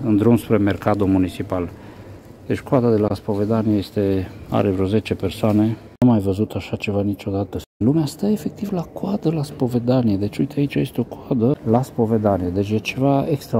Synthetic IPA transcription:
ɨnd̪ɾumspɾemerkad̪omunit͡ʃipal | d̪̥et͡ʃʲkad̪ad̪e̞laspo̞ve̞d̪anieje̞st̪e̞a̰ɾevɾo̞ze̞t͡ʃe̞pe̞rsoane̞ | amajvəzut̪aʃat͡ʃe̞vanit͡ʃo̞d̪at̪əlumeast̪əe̞fe̞k̚t̪ivlakwad̪əlaspo̞ve̞d̪anijed̪e̞t͡ʃoit̪ʰeait͡ʃaje̞st̪eo̞koad̪əlaspo̞ve̞d̪anijed̪e̞t͡ʃʲjet͡ʃe̞vaekst̪ɾa

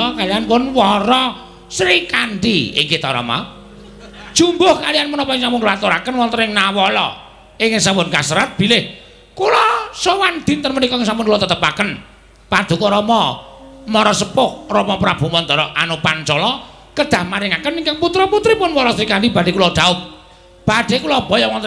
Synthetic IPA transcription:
ɔkalianpʊnwɔɾɔ | sɾikanɖḭɪ̰ŋkit̪ɔ̰ɾɔ̰ma̰ | d̥ʒ̥umbʊhkalianpənɔpɔɪŋsampʊnlɔat̪uɾakənwɔnt̪əɾɪŋnawɔlɔ̰ | ɪŋɪŋsampʊnkasəɾat̪̚b̥ilɪh | kulɔsɔwand̪̥int̪ənmənikɔɪŋsampʊnkulɔt̪ət̪əpakən | pad̪̥ṳkɔɾɔmɔmɔɾɔsəpʊk̚rɔmɔpɾab̥ṳmɔnd̪ɔɾɔʔanopant͡ʃɔlɔ | kəd̪̥a̤hmaɾɪŋakəniŋkaŋput̪ɾɔput̪ɾɪpʊnwɔɾɔsɾikanɖib̥ad̥e̤kulɔd̪̥aʊp̚ | b̥a̤ɖ̪̥e̤kulɔb̥ɔ̤jɔwɔnt̪

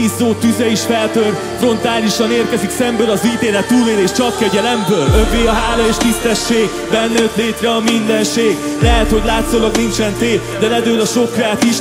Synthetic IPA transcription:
izoːt̪yzɛiʃfɛlt̪ørt̪fro̞nt̪aːliʃɒneːrkɛziksɛmbøːlɒziːt̪eːɾɛt̪ːuːleːleːʃt͡ʃɒkːɛɟɛlɛmbøːløveːɒɦaːlɒeːʃt̪ist̪ɛʃːeːɡ | bɛnːɛøt̪leːt̪rɛɒmind̪ɛnʃeːɡ | lɛɦɛt̪ho̞ɟlaːt̪soːlɒɡnint͡ʃɛnt̪eː | d̪ɛlɛd̪øːlɒʃo̞kraːt̪iʃ

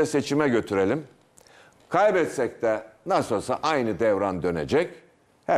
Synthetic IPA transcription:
ɛse̞t͡ʃʰimɛɟø̞t̪ʰyɾe̞lʲim | kʰajbɛt̪sɛc̚t̪ɛnasɯsaʔajnɯd̪ɛvɾand̪ø̞nḛd͡ʒɛc | hæ

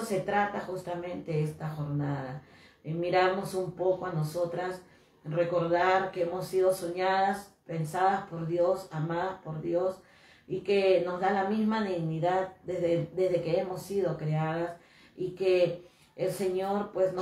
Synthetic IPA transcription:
se̞t̪ɾat̪axust̪amẽ̞nt̪e̞est̪axo̞ɾnaða | miɾaɾno̞sumpo̞koano̞so̞t̪ɾas | re̞ko̞ɾðaɾke̞emo̞sːið̞o̞soɲaðaspe̞nsaðaspo̞ɾðjo̞samaðaspo̞ɾðjo̞s | ike̞no̞zðalamizmaniɣniðaðd̪ezðed̪e̞zðe̞keemo̞sːið̞o̞kɾeaðas | ikeː | lse̞ɲoɾpwe̞sno

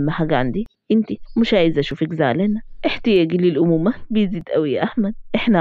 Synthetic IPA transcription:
mːaħaːɡæʕand̪i | ʔɪnt̪imʊʃʕaːjɪzʔæʃuːfɪkza̰ːlenaʔɪħt̪ɪjæːɡlɪlʔʊmuːmabɪjziːd̪ʔæwijaʔahmæd̪ʔɪħna

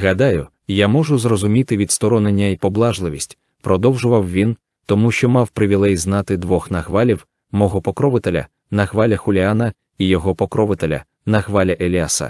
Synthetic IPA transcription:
ɦɐd̪ɑjʊ | jamɔʒʊzrɔzʊmʲit̪ɪʋʲid̪st̪ɔɾɔnenʲːɐipɔblˠɑʒlˠɪʋʲisʲtʲ | pɾɔd̪ɔwʒʊʋɐwʋʲin | t̪ɔmuʃt͡ʃɔmɑwpɾɪʋʲilˠɛjznɑt̪ɪd̪ʋɔxnɐxʋɑlʲiw | mɔɦɔpɔkɾɔʋɪt̪elʲɐ̰ | nɐxʋɑlʲɐxʊlʲianɐ | ijɔɦɔpɔkɾɔʋɪt̪elʲɐ̰ | nɐxʋɑlʲɐʔelʲasɐ̰

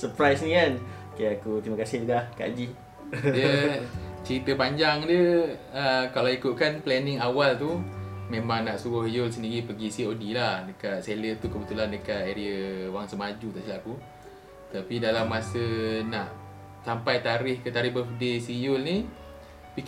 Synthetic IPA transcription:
səpɾajsnikan | kajakut̪imakasɪhdahka̰d͡ʒi | jə | t͡ʃəɾit̪əpaɲd͡ʒaŋdjə | əkalaikʊt̪̚kanplɛnɪŋawalt̪umẽmaŋnaʔsuɣʊhjʊls̬əndiɾipəɡisiodilahdəkat̪̚selət̪ukəbət̪ulandəkat̪eɾiəwaŋsəmad͡ʒut̪aʔsilaku | t̪apidalamːasənaʔ | sampajt̪aɾɪhkət̪aɾihbəfdesijʊlni | pi

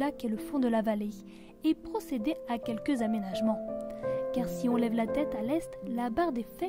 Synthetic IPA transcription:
akɛləfɔ̃d̪əlavale | epχɔsed̪eakʲɛlkəzamenaʒmɑ̃kaʁsiɔ̃lɛvlat̪ɛt̪alɛst̪labaʁd̪efɛ

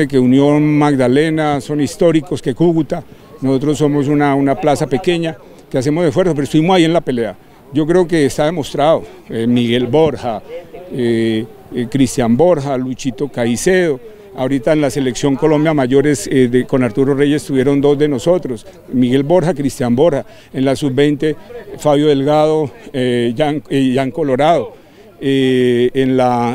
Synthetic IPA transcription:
ek̬e̞unjo̞nmaɡd̪alenaso̞nist̪o̞ɾiko̞skekuɣut̪a | noso̞t̪̬ɾo̞sːo̞mo̞s̬unaunaplasape̞ke̞ɲa | keas̬e̞mozesfweɾsopeɾost̪uβimosaie̞nlape̞le̞a | ɟ͡ʝo̞k̬ɾe̞oke̞ːst̪aðe̞mo̞st̪ɾaðo | emiɣe̞lbo̞ɾxae | kɾist̪jambo̞ɾxalut͡ʃit̪o̞kaiseðo | aoɾit̪aenlase̞le̞ksjo̞ŋko̞lõ̞mbjamaʝo̞ɾe̞sed̪eko̞naɾt̪uɾore̞ʝest̪uβje̞ɾo̞nd̪o̞zd̪e̞no̞so̞t̪ɾo̞s | miɣe̞lbo̞ɾxakɾist̪jambo̞ɾxa | enlasubbe̞jnt̪e̞faβjo̞ðe̞lɣaðo | aŋʝaŋko̞lo̞ɾaðo̞ | eenla

